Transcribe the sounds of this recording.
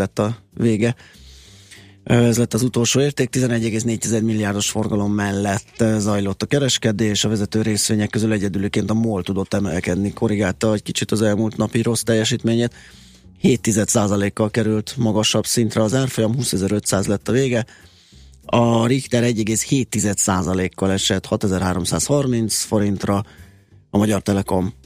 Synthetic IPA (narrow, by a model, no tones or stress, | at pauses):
ɛt̪ːɒveːɡɛ | ɛzlɛt̪ːɒzut̪o̞lʃoːeːrt̪eːk̚t̪izɛnɛɟːɛɡeːsneːc̚t̪izɛd̪milːijaːrd̪o̞ʃfo̞rɡɒlo̞mːɛlːɛt̪ːzɒjlo̞t̪ːɒkɛɾɛʃkɛd̪eːʃɒvɛzɛt̪øːɾeːsʋeːɲɛkːø̞zylɛɟɛd̪yløːkeːnt̪ɒmoːlt̪ud̪o̞t̪ːɛmɛlkɛd̪niko̞ɾiɡaːlt̪ɒɛckit͡ʃit̪ɒzɛlmult̪nɒpiɾʔo̞st̪ɛjːɛʃiːt̪meːɲeːt̪ | heːt̪ːizɛt̪saːzɒleːkːɒlkɛɾylt̪mɒɡɒʃɒbsint̪rɛɒzaːrfo̞jɒmɦuːsɛzɛɾø̞t̪saːzlɛt̪ːɒveːɡɛ | ɒrixt̪ɛɾɛɟːɛɡeːsheːt̪ːizɛt̪saːzɒleːkːɒlɛʃɛt̪hɒt̪ɛzɛrɦaːɾo̞msa̰ːshɒrmint̪sfo̞ɾint̪rɒ | ɒmɒɟɒrt̪ɛlɛko̞m